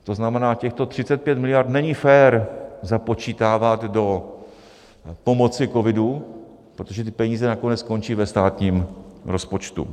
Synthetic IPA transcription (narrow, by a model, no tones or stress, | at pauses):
t̪o̞znamɛnaːcɛxt̪o̞t̪r̝̥ɪt͡sɛt̪̚pjɛt̪mɪlɪjaɾt̪nɛɲɪfɛːɾzapo̞t͡ʃiːt̪aːvat̪do̞ | po̞mo̞t͡sɪkovɪdu | pɾot̪oʒɛt̪ɪpɛɲiːzɛnako̞nɛt͡sko̞nt͡ʃiːvɛst̪aːt̪ɲiːmɾo̞spo̞t͡ʃt̪ṵ